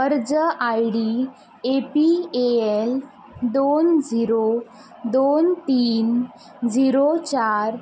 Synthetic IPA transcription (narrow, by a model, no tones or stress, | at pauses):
əɾd͡zəʔajɽi | epieel | d̪ond͡ziɾo | d̪ont̪iːn | d͡ziɾot͡ɕaɾ